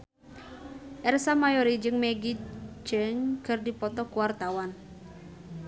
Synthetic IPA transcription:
ʔɛrsamajɔɾid͡ʒɨŋmeɡid͡ʒəŋkərdipɔt̪ɔkuwart̪awan

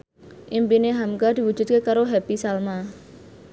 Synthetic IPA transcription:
ʔimpineɦamkad̪iwu̥d͡ʒṳt̪̚kekaɾoɦɛpisalma

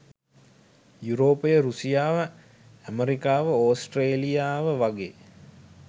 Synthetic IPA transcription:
juɾoːpəjəɾusijaːʋə | æmeɾikaːʋəoːsʈreːlijaːʋəʋaɡeː

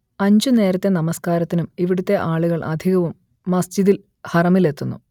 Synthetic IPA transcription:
ɐɲd͡ʑune̞ːɾɐt̪ːe̞nɐmɐskaːɾɐt̪ːinumiʋiɽut̪ːe̞ʔaːɭuɣɐɭʔɐ̰d̪ʱiɣɐʋumː | ɐsd͡ʑiðil | hɐrɐmile̞t̪ːunːṵ

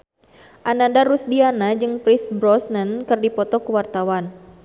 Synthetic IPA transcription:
ʔanandaɾusdianad͡ʒɨŋpɾɪsbɾɔsnənkɨrdipɔt̪ɔkəwart̪awan

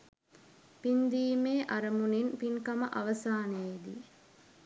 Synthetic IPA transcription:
pind̪iːmeːʔaɾɐmuninpiŋkɐmɐʔaʋɐsaːneːd̪ḭ

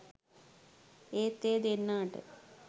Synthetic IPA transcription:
eːt̪ːeːd̪enːaːʈɨ̰

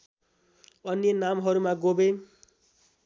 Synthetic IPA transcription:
ʌnːjenamɦʌɾumaɡobe

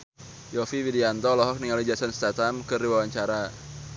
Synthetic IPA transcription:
jɔfiwidiant̪ɔlɔɦɔk̚niŋalid͡ʒasɔnst̪at̪amkɨriwawaɲt͡ʃaɾa

